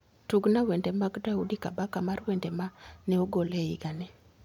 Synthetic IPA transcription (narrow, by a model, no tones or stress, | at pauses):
tuɡnawɛndɛmaɡdaudikabakamarwɛndɛmanɛoɡolɛḭɡanɛ